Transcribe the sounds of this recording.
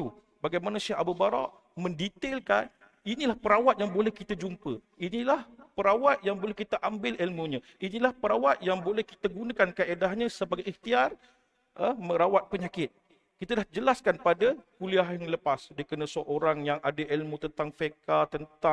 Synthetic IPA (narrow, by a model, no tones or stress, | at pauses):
u | baɡajmanãsiaabubaɾɔ̰ʔ | mə̃ndit̪elka̰n | inilahpəɾawat̪̚jaŋbolɛhkit̪ad͡ʒumpə | inilahpəɾawat̪̚jaŋbolɛhkit̪aʔambɪlilmuɲə̃ | inilahpəɾawat̪̚jaŋbolɛhkit̪aɡunãkankəʔedaɦɲə̃səbaɡajiht̪iar | əməɾawat̪̚pəɲakɪt̪̚ | kit̪adahd͡ʒəlaskanpadakuliaɦjaŋləpasdəkənə̃səʔoɾaŋjaŋadaʔilmut̪ənt̪aŋfekat̪ənt̪a